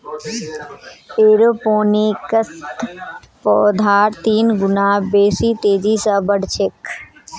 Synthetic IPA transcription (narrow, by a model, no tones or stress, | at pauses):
eːɾopoːnikəst̪ | pɔːd̪ʱaːɾt̪iːnɡʊnaːbeːsiːt̪eːd͡ʒiːsabəɽt͡ʃʰek